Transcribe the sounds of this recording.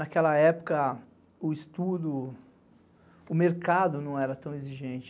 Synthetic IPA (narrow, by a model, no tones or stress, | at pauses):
nakɛlɐɛpʊ̥kɐ | ʊist̪ud̪ʊ | ʊmeɾkad̪ʊnɐ̃w̃ɛɾɐt̪ɐ̃w̃eziʒẽt͡ʃɪ̥